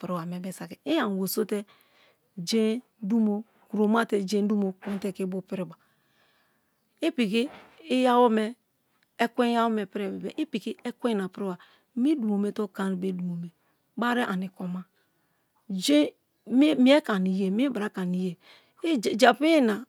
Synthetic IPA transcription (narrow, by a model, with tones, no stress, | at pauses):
pi˨ɾi˦wa˨me˨be˨sa˨ki˨i˦a˨wo˨so˦te˦ | d͡ʒe˦ | du˦mo˦ | ku˨ɾo˨ma˦te˨d͡ʒe˦n˦du˦mo˨ku˦n˦te˦ki˦bu˦pi˦ɾi˨ba˨ | i˦pi˨ki˦i˦ja˦wo˦mɛː˨˦ | kʷe˦ja˦wo˦me˨pi˦ɾe˦˨be˨bḛ˨ʔi˦pi˨ki˦ɛ˦kʷe˦˨na˨pɾi˦wa˨ | mi˦du˨mo˨me˨to˦ka˨ni˨be˦du˨o˨me˨ | ba˦ɾe˦ʔa˨ni˨ko˨ma˦˨ | d͡ʒe˦ | mi˦e˦ka˨ni˨je˨m˦i˦ba˨ɾa˨˦ka˨ni˨je˨˦˨ | d͡ʒa˨pi˦na˨